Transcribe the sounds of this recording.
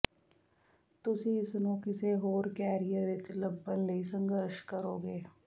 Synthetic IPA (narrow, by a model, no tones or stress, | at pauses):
t̪ʊsiɪsnõkɪseɦoːɾkɛːɾijəɾʋet͡ʃlɐbːənlɐisɐ̃ŋɡəɾʃkɐɾoːɡeː